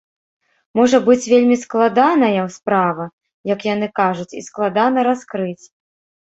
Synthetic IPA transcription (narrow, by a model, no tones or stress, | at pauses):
mɔʐɐbɨt͡sʲvʲelʲmʲisklˠad̪anɐjɐwspɾavɐ | jɐkjan̪ɨkaʐut͡sʲḭsklˠad̪anɐɾaskɾɨt͡sʲ